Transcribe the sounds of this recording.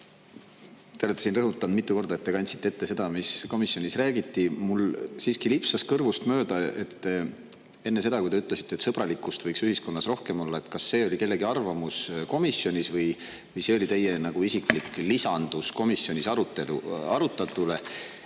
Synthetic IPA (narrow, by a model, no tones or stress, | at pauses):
t̪eet̪ːˑe̥sinrɤɦut̪ːˑɑnd̪mit̪ːˑuko̞rd̪ɑe̞t̪ːe̞kɑnʲt̪si̥t̪ːeet̪ːe̞se̞d̪̥ɑmisko̞misjonʲisræːɡit̪ːimulsiːskilipsɑskɤrvust̪møːd̪̥ɑe̞t̪ː | e̞nːe̞se̞d̪̥ɑkujd̪e̞yt̪ˑle̞si̥t̪ːˑet̪sɤb̥rɑlikːˑust̪vɤjksyhisko̞nːɑsro̞hke̞mo̞lːɑe̞t̪kɑsːe̞ːo̞lʲike̞lːe̞ɡiɑrvɑmusko̞misjonʲisvɤj | vɤjse̞ːo̞lʲit̪e̞jenɑɡ̥uisikˑliklisɑnd̪̥usko̞misːjo̞nʲisɑɾut̪ːelṵɑɾut̪ːˑɑt̪ːˑule̞